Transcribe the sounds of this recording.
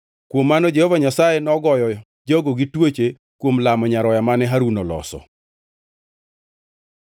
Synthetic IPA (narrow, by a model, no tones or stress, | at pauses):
kwomːanɔd͡ʒehovaɲasajenɔɡɔjɔ | d͡ʒɔɡoɡitwot͡ʃe | kwomlamɔɲaɾɔjamanɛɦaɾunolɔ̰sɔ̰